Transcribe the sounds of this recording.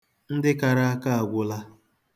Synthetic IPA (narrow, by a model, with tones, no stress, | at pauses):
n̩˦dɪ˦ka˨ɾa˦a˦ka˦a˨ɡʷʊ˦la˦